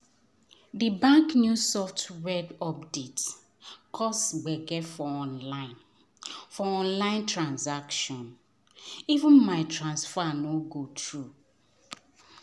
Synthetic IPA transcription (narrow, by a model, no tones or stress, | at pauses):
dibãŋknjusɔftɹɛdɔpdet | kʰɔsɡ͡bɛɡɛfɔɔ̃nlaɪ̃n | fɔɔ̃nlãɪ̃ntɹãnsakʃɔ̃n | ivə̃nmaɪtɹãnsfanoɡotɹu